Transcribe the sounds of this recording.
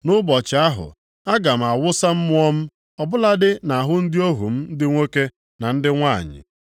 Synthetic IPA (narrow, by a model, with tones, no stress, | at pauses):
nʊ˦bɔ˨t͡ʃɪ˨a˦ɦʊ̰˨ | a˦ɡa˨m̩˨a˨wʊ˦sa˦m̩˦mʊ˦ɔ˦m̩˦ | ɔ˨bʊ˦la˦dɪ˦na˨ɦʊ˦n̩˦dɪ˦o˦ɦṵ˨m̩˦n̩˦dɪ˦ŋʷo˦ke˦ | na˨n̩˦dɪ˦ŋʷa̰˦˨ɲɪ̰˨